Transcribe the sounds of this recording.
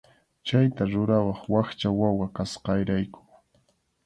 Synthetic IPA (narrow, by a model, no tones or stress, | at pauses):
t͡ʃajt̪aɾʊɾawɑχwaχt͡ʃawawakasqɑjɾajkʊ̥